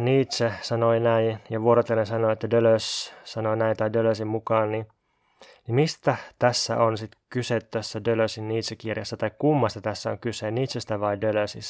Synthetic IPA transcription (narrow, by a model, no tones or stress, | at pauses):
niːt̪sesɑnoinæijɑʋuoɾot̪elːensɑnoet̪ːædøløssɑnoinæint̪ɑidøløsimmukɑːnni | nimist̪æt̪æsːæ̰ʔonsit̪kyset̪t̪æsːædøløsinniːt̪sekirjɑsːɑt̪ɑikkumːɑst̪ɑt̪æsːæo̰ŋkyseniːt̪sest̪æʋɑidøløsis